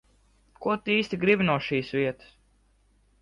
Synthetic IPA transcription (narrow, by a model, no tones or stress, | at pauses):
kuɔt̪iiːst̪ʲiɡɾibʲinuɔʃiːsvʲiɛt̪ɨ̥s